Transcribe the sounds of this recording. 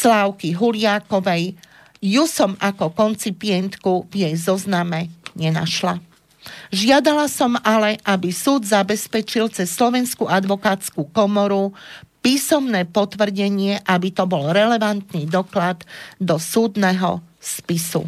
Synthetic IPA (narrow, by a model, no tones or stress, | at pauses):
slaːʊkiɦulɪakɔʋɛj | jusɔmakɔkɔnt͡sipɪɛnt̪kuvjɛjzɔznamɛɲɛna̰ʃla̰ | ʒɪad̪alasɔmalɛʔabisuːd̪zabɛspɛt͡ʃilt͡sɛsːlɔʋɛnskuʔad̪ʋɔkaːt͡skukɔmɔɾupiːsɔmnɛːpɔt̪ʋr̩ɟɛɲɪɛʔabit̪ɔbɔlɾɛlɛʋant̪nid̪ɔklad̪ːɔsuːd̪nɛɦɔ̰spisṵ